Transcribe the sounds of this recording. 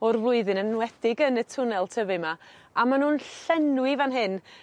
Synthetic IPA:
ɔrvlˠʊɨðɨnənwɛd̥ɪɡənətʰʊnɛlˠtʰəvɨmaamanuːnɬɛnwivanɦɨn

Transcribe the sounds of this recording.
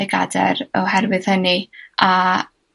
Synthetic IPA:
ɛɡa̰dɛ̰ɾɔhɛrvɨð̥hənia

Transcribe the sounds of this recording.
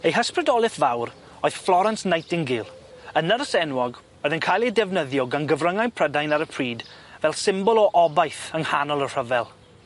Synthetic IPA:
ejɦəspɾədɔlˠɪθvawɾ | oɨðflˠɔɾansnajtɪŋɡɪlˠ | ənəɾəsɛnwɔɡ | oɨðənkʰajlˠedɛvnəðjɔɡanɡəvrəŋajnpʰr̥ədajnaɾəpʰriːdvɛlˠsɪmbɔlˠɔʔɔbajθəŋhanɔlˠər̥əvɛlˠ

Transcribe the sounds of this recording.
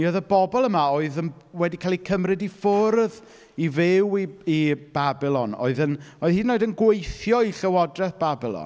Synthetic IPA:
nioðəbɔbɔlˠəmaoːɨðəm | wɛdikʰaːlˠikʰəmrɨdifʊrð | ivɪwiib̥abɪlˠɔno̰ːɨðənoːɨðhiːdnoːɨdənɡwejθjɔiɬəwɔdrɛθb̥abɪlˠɔ̰n

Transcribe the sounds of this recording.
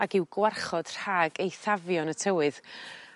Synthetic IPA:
akɪwɡwarχɔd̥r̥aːɡejθavjɔnətʰəwɨð

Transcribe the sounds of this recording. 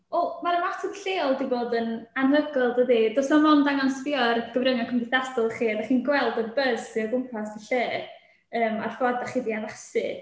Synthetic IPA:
ɔlˠmaɾəmatʰɔðɬeːɔlˠdiboːdənanɦəɡɔlˠdəðidɔsmɔmɔndaŋansviɔrɡ̥əvrɾəŋakʰəmdɪθdastɔlˠχiːadaχiːnɡwɛlˠdɔrbəz̥siɔɡʊmpʰasdiɬeːr | əːmarfɔdaχiːdiavasɨ

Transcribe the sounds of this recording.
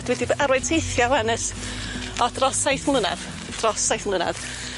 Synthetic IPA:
d̥wɛdibaɾwɛjd̥̚tʰejθjawanəs | ɔdrɔsajθmlˠəna̰ð | d̥rɔsajθmlˠəna̰ð

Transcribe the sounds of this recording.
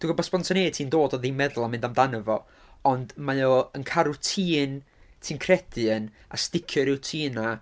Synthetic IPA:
d̥uɡɔbɔsb̥pɔntʰəneːtʰiːndoːdɔðimɛðʊlˠamɪ̃ndamdanəvɔ | ɔndmajoənkʰaɾutʰiːn | tʰiːnkʰrɛdɨən | a̰stɪkʰjɨɾɪwtʰiːna

